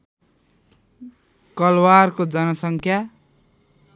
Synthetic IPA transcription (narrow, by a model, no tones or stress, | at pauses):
kʌlwarkod͡zʌnʌsʌŋkʰja